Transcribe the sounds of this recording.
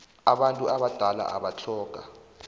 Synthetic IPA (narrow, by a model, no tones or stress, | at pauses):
aɓantʼuaɓad̥ʱala̰ʔaɓat͡ɬʰɔːɡ̥ʱa